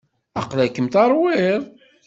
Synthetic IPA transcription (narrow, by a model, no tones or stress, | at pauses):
ɑqlækːəmt̪ɑɾˤwɪðˤ